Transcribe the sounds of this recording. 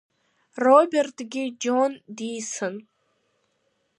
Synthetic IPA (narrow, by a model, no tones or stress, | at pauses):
robʲertʰɡʲɪd͡ʒondijsɨn